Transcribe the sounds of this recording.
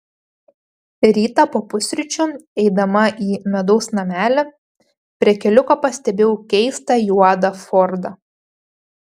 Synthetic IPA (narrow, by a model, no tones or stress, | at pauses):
ɾʲiːt̪ɐpoːpʊsʲɾʲʊt͡ʃʲʊɛɪd̪ɐmɐʔiːmʲɛd̪ɔʊsnɐmʲæːlʲɛ | pʲɾʲiɛkʲɛlʲʊkɐpɐsʲt̪ʲɛbʲeʊkʲɛɪst̪ɐjuɑd̪ɐfɔɾd̪ɐ